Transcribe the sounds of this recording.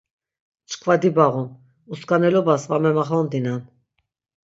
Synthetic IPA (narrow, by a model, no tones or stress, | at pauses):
t͡ʃʰkʰvad̪ibaʁum | uskanɛlɔbasvamɛmaχɔnd̪inan